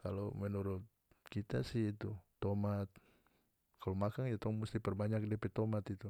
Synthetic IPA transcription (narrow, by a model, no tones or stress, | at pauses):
kalomənuɾʊt̪̚ | kit̪a̰sɪit̪ut̪ːomat̪̚ | kalomakaŋjat̪ɔŋmust̪ipərbaɲak̚dɛpɛt̪omat̪it̪u